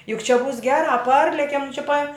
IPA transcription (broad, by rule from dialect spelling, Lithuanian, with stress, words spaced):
jʊk t͡ʃʲɛ buːs ˈɡʲæːrɑː ˈpɐrʲlʲɛkʲɛm t͡ʃʲɛ pɐ